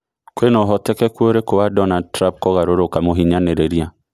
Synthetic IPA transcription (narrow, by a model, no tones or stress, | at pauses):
kwenɔɦɔtɛkɛkwoɾekowadɔnadtɾãmp̚kɔɣaɾoɾokamoɦiɲaneɾeɾia